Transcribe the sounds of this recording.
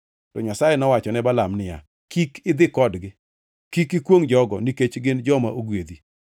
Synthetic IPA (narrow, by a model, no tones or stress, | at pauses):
tɔɲasajɛnɔwat͡ʃɔnɛbalamnɪja̰ | kikɪd̪ɪkɔdɡɪ | kikɪkwoŋd͡ʒɔɡɔniket͡ʃɡɪnd͡ʒɔmaʔoɡwed̪i